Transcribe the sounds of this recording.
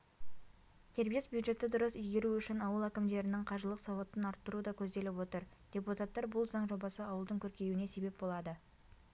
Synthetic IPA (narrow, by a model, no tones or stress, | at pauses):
t̪ʰe̞ɾbijesbjud̪ʒe̞t̪ɪd̪ʊɾəsʏjɡʲe̞ɾuʏʃɪnɑwəlˠækʲɪmd̪e̞ɾɪnɪŋqʰɑʒəlˠəqsɑwot̪ːənɑɾt̪ːəɾud̪ɑkʲʰɵzd̪e̞lɪpwo̞t̪əɾd̪̥ʲe̞put̪at̪ːɑɾbʊlˠzɑɴʒo̞bɑsəɑwəlˠd̪əŋkʲʰɵɾkʲe̞juɪne̞se̞be̞p̚bo̞lˠɑd̪ə